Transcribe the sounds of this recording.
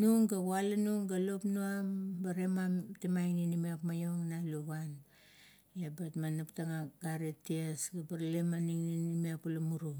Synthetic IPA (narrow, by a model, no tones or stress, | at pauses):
nuŋɡaɡualanuŋɡalopnuambaɾemamtemajŋninimiakmajoŋnaluβan | abatmanuptaŋaɡaɾetːiesɡabaɾlemaniŋninimiapulamuɾu